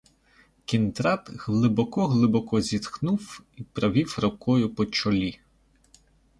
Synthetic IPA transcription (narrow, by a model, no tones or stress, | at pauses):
kʲint̪ɾɑt̪ɣlˠɪbɔkɔɦlˠɪbɔkɔzʲit̪xnuwipɾɐʋʲiwrɐkɔjʊpɔt͡ʃɔlʲi